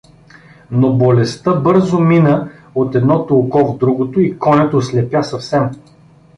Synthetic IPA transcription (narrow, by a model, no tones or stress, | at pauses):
nobolɛst̪əbɤɾzʊminəot̪ɛd̪nɔt̪olˠkɔvd̪ɾuɡot̪oikɔnʲɛt̪oslɛpʲjasɐfsɛm